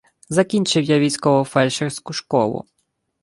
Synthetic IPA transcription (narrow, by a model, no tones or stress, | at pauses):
zɐkʲinʲt͡ʃɪwjaʋʲijsʲkɔʋɔfɛlʲʃersʲkʊʃkɔlˠʊ̰